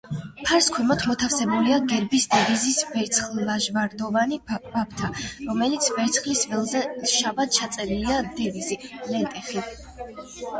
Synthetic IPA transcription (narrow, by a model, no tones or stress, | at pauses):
pʰaɾskʰwɛmɔt̪ʰmɔt̪ʰafsɛbuliaɡɛɾbisd̪ɛvizisvɛɾt̪sʰχllaʒvaɾd̪ɔvanib̥ap̚ʰt̪ʰaɾɔmɛlit̪sʰvɛɾt̪sʰχlisvɛlˠzɛʃabat̪̚t͡ʃʰat̪sʼɛɾiliad̪ɛvizilɛnt̪ʼɛχi